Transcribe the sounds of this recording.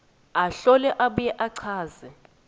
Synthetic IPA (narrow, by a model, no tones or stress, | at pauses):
aɬɔlɛʔaɓujɛʔaǀʰaːzɛ